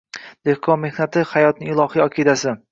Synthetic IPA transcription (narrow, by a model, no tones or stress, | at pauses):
d̪̥e̞hkʰɒnme̞hnat̪ʰɪhajɒt̪̚nɪŋɪlˠɒhijɒkʲʰed̪asɪ